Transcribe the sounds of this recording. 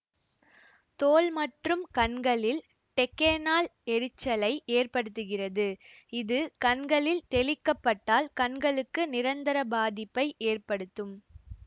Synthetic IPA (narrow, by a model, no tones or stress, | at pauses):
t̪oːlmɐʈrɯmkɐɳɡɐɭɪl | ʈɛkːenaːlɛɾɯt͡ʃːɐlɐɪʔeːrpɐɽɯt̪ːɯɣɪrɐðɯɪðɯkɐɳɡɐɭɪlt̪ɛlɪkːɐpːɐʈːaːlkɐɳɡɐɭɯkːɯnɪɾɐnd̪ɐɾɐbaːðɪpːɐɪʔeːrpɐɽɯt̪ːɯm